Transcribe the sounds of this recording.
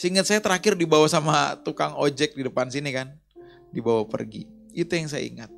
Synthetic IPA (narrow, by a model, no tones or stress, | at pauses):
siŋət̪̚sajat̪əɾakɪrdibawasamat̪ukaŋod͡ʒɛk̚didəpansinikan | dibawapə̰rɡḭ | it̪ujaŋsaja̰ḭŋat̪̚